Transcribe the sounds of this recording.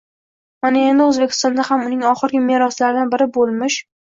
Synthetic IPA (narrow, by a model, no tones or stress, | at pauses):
manae̞nd̪ɪɵzbe̞kʲʰɪ̥st̪ɒnd̪ahamʊnɪŋɒχɨɾɡʲɪmeɾɒslaɾɪd̪anbɪɾɪbolˠmɪʃ